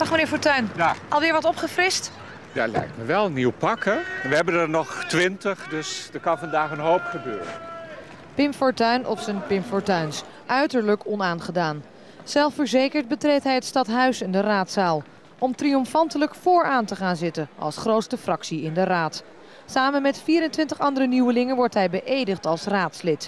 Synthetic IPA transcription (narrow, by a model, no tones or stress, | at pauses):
ɑχmənɪːɹfɔɹtœɥnɑlˠʋɪːɹʋɑtɔpχəfrɪst | da̰lɛ̰jk̚tməʋɛlˠniwpɑkənʋəɦɛbəndəɹnɔχtʋɪntəχdɵsdətkɑnvɑndaːχənɦowpχəbøːɾə̰n | pɪmfɔɹtœɥnʔɔ̰psənpɪmpfɔɹtœɥns | ʔœɥtəɹləkɔnaːnχədaːn | sɛlˠfəɹzejkəɹt̚bətrejtɦɛjɦətstɑtɦœɥsɪndəraːtsaːlˠ | ɔmtriɔmfɑntələkfʊːɹaːntəχaːnzɪtənʔɑ̰lˠsχrowtstəfrɑksiɪndəraːt | saːmənmɛtfiːɾəntʋɪntəχɑndərənywəlɪŋənʋɔɹtɦɛjbəʔejdəχtɑlˠsraːtslɪt